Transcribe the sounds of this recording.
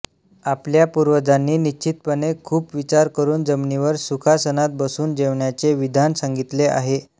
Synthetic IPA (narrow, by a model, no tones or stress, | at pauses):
apljapuɾʋəd͡zanːiːnit͡ɕit̪̚pənekʰuːpʋit͡ɕaɾkəɾuːnd͡zəmniʋəɾsukʰasənat̪̚bəsuːnd͡ʑeʋɳjat͡seʋid̪ʱansaŋɡit̪lea̰ɦe